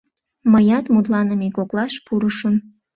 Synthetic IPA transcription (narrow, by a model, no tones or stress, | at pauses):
məjɑt̪mut̪lɑnəmekoklɑʃpuɾəʃən